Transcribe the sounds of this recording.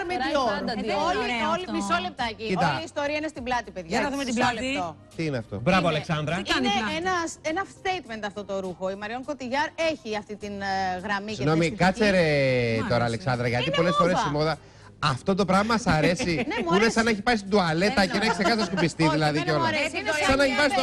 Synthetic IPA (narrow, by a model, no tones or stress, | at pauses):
ɾmeooliolimisolep̚t̪ɐiit̪ɐiːst̪o̞ɾiɐinest̪iblɐt̪ipeðʝɐɐesllet̪o | t̪iineɐft̪o̞̰bɾɐvoɐleksɐnd̪ɾɐeenɐsenɐst̪ejt̪ment̪ɐft̪o̞t̪o̞ɾuxo̞imɐɾio̞ŋko̞t̪iʝɐɾe̞çiɐft̪it̪inɣɾɐmisiɣno̞mikɐt͡seɾet̪o̞ɾɐːle̞ksɐnd̪ɾɐʝɐt̪ipo̞le̞sfo̞ɾessimoðɐ | ɐft̪ot̪o̞pɾɐvmɐmɐsɐɾe̞sinemunesɐnɐeçi̥pɐis̬id̪uɐle̞tnɐeuneisekɐst̪ɐskupist̪iðilɐðieolɐɾesnssɐnɐeçipɐst̪o